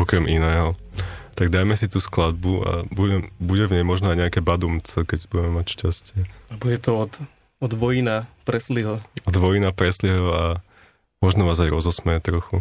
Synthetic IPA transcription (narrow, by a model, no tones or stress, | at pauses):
ɔkɾɛmʔinɛːɦɔt̪aɡd̪aːjmɛsit̪uːsklad̪̚bua̰buɛbuɟɛvɲɛjmɔʒnɔajɲɛakɛːbad̪umt͡sɛkɛɟbuɟɛmɛmacʃcascɪɛabuɟɛt̪ɔɔt̪ | ɔd̪ʋɔjinapɾɛsliɦɔɔd̪ʋɔjinapɾɛsliɦɔa | mɔʒnɔʋaːzajɾɔzɔsmɛɛt̪ɾɔxu